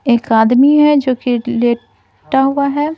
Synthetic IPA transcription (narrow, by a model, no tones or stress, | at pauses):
eːkaːd̪miɦɛd͡ʒoːkileː | ʈaɦʊaɦɛː